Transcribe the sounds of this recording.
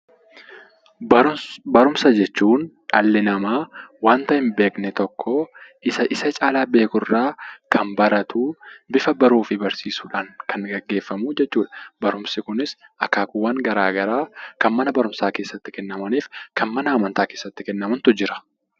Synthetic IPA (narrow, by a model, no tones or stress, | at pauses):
bɐɾʊmsɐd͡ʒɛt͡ʃːuːnᶑɐlːɪnɐmaːwaːnt̪ɐhɪmbe̞ːknɛt̪ɔkʰːɔ | ɪsɐʔɪsɐt͡ʃʼaːlaːbe̞ːkʊrːaːkʰɐnbɐɾɐt̪uːbɪfɐbɐɾuːfɪbɐɾsiːsuːᶑaːŋkʰɐnɡɐɡːe̞ːfːɐmuːd͡ʒɛt͡ʃːuːᶑɐ̥bɐɾʊmsɪkʊnɪsʔɐkːaːkʊwːaːŋɡɐɾaːɡɐɾaːkɐnmɐnɐbɐɾʊmsaːke̞ːsːɐt̪ːɪkɛnːɐmɐniːfkʰɐnmɐnɐːmɐnt̪aːke̞ːsːɐt̪ːɪkɛnːɐmɐnt̪ʊd͡ʒɪɾɐ̥